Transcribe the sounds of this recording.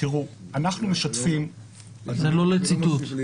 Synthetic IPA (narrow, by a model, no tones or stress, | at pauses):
tiʁuanaχnumeʃat̪fim | zelo̞let͡sit̪ut̪